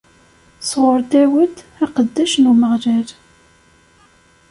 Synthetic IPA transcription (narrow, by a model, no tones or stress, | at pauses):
sʁʊɾt̪æwəd̪ | æqəd̪ːæʃnuməʁɾæɾ